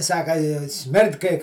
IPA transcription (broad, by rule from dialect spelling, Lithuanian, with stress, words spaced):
ˈsɑːkɐ ɪ ˈsʲmʲɪrt kɐɪ